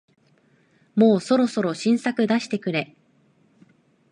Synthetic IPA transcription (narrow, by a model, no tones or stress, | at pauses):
mo̞ːso̞ɾo̞so̞ɾo̞ɕĩɰ̃sakɯ̟d̪aɕi̥t̪e̞kɯ̟ɾe̞